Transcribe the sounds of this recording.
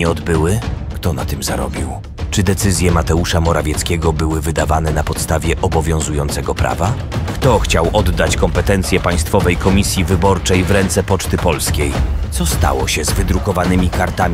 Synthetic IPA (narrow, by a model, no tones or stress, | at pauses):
ɛɔd̪bɘwɘkt̪ɔna̰t̪ɘmza̰ɾɔ̰bʲiw | t͡ʂɘd̪ɛt̪sɘzʲjɛmat̪ɛuʂamɔɾavʲjɛt̪skʲɛɡɔbɘwɘvɘd̪avanɛnapɔt̪st̪avʲjɛʔɔbɔvʲjɔ̃w̃zujɔnt̪sɛɡɔpɾʔa̰va | kt̪ɔxt͡ɕawʔɔd̪ːat͡ɕkɔmpɛt̪ɛnt̪sʲjɛpaj̃st̪fɔvɛjkɔmʲisʲjivɘbɔɾt͡ʂɛjvɾɛnt̪sɛpɔt͡ʂt̪ɘpɔlskʲejt̪ɔst̪a̰wɔɕɛzvɘd̪ɾukɔvanɘmʲikaɾt̪amʲ